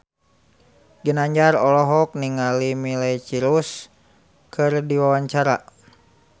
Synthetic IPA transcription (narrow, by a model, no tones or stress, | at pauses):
ɡənaɲd͡ʒaɾɔlɔɦɔk̚niŋalimilɛt͡ʃiɾus | kʰɨrdiwawaɲt͡ʃaɾa̰